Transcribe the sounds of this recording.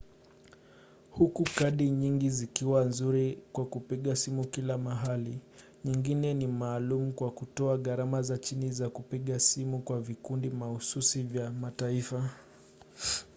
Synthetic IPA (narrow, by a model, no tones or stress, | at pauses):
hukukaɗiɲiŋɡizikiwanzuɾikwakupiɠasimukilamaɦali | ɲiŋɡinɛnimaːlum̩kwakutɔaɠaɾamazat͡ʃinizakupiɠasimukwavikundimahususivjamataifa